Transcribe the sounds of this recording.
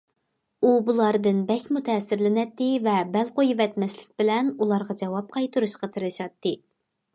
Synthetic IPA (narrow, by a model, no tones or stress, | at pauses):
ubulˠɑɾd̪ɨnbɛkʲmut̪ʰɛːsɪɾlɪnɛt̪ːɪvɛbɛlqojvɛt̪mɛslɪk̚ʲbɪlɛnulˠɑɾʁɑd͡ʒɑwɑp̚qʰɑjt̪ʰuɾuʃqɑt̪ʰɨɾɨʃɑt̪ːɨ